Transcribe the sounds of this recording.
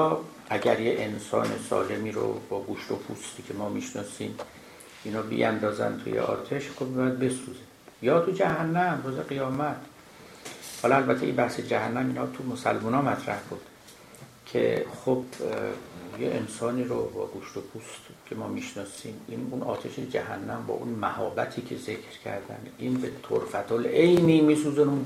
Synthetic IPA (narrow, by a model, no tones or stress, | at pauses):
ʔæɟæɾjeʔensɒ̰ːnesɒ̰ːle̞miːɾo̰bɒːɡuʃt̪opʰust̪iːcʰemɒːmiʃnɒːsiːm | ʔinhɒːbḭʔænd̪ɒːzæ̰nt̪ʰṵjḛʔɒ̰ːt̪ʰe̞ʃxobmibjæd̪̚be̞suze | jɒːt̪ʰud͡ʒæhænːæmruːzeɣijɒːmæt̪ʰ | hɒːlɒælbæt̪ʰe̞ʔinbæhsed͡ʒæhænːæmiːnhɒt̪ʰumosæ̰lmunɒːmæt̪ʰɾæ̰hbud̪̥ | cʰe̞̰χob̥ | jeʔḛnsɒːniːɾobɒ̰ːɡuʃt̪opʰust̪kʰe̞mɒːmiʃnɒːsiminunʔɒ̰ːt̪ʰeʃed͡ʒæhæ̰nːæmbɒ̰ːʔunmæhɒ̰ːbæt̪ʰiːcʰe̞ze̞kʰɾcʰæ̰ɾd̪æ̰ninbe̞t̪ʰo̰ɾfæt̪ʰolejniːmiːsuːzenu